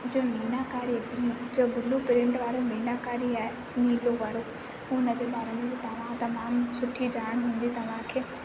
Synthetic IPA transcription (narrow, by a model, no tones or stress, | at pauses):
d͡ʑoːniːnakaːɾibĩd͡ʑoːbʱʊlupɪɾɪ̃ɳʈʋaːɾoniːnaːkaːɾiɛ | niːloʋɐɽoː | ũʊnəd͡ʑebaːɾemẽt̪ɐʋãːt̪ɐmaːmsʊʈʰːid͡ʑaːɽ̃ɦũːn̆d̪it̪ɐʋ̤ãkʰeː